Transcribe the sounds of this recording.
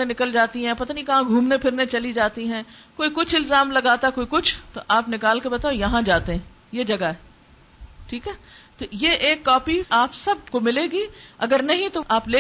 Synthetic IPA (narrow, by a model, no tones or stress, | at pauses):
ẽnɪkəld͡ʒaːt̪iɦɛ̃ːpɐt̪aːnĩkɐɦãɡʱuːmnepʰɪɾnẽt͡ʃɐlid͡ʒaːt̪iɦɛ̃ːkoːikʊt͡ʃʰɪlzaːmlɐɡaːt̪akoːikʊt͡ʃʰt̪oʔaːpnɪkaːlkebɐt̪aojɐɦãd͡ʒaːt̪eɦɛ̃ː | jed͡ʒɐɡaɦɛ | ʈʰiːkɦɛːt̪ojeːʔeːkːɔːpiaːpsɐb̚komɪleːɡiːɐɡəɾnɐɦĩt̪oaːpleː